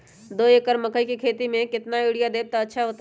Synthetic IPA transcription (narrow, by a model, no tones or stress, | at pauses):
d̪oːekəɾməkəikikʰeːt̪imẽkɪt̪naiɽijad̪eːb̚t̪aətːʃʰaɦoːt̪